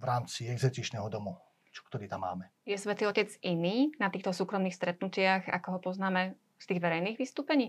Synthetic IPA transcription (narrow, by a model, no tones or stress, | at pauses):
ʋɾaːmt͡siɛɡzɛt̪it͡ʃnɛɦɔd̪ɔmu | t͡ʃɔ̥kt̪ɔɾiːt̪amːa̰ːmɛ | jɛsʋɛt̪iɔcɛd͡ziniːnat̪iːxt̪ɔsuːkɾɔmniːxst̪ɾɛt̪̚nucɪaɣa̰kɔɦɔpɔznaːmɛ | st̪iːɣʋɛɾɛjniːɣʋist̪uːpɛɲiː